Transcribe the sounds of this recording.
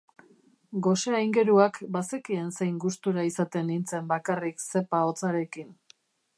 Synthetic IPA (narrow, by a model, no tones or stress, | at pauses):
ɡo̞seajŋɡe̞ɾuakbase̞kie̞nse̞jŋɡust̪uɾaisat̪e̞nint͡se̞mbakarikse̞pao̞t͡saɾe̞kin